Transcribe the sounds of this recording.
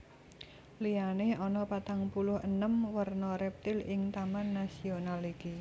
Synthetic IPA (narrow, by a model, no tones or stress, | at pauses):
lianeɔnɔpat̪aŋpulʊhənəmwərnɔɾɛp̚t̪ɪlɪŋt̪amanːasionaliki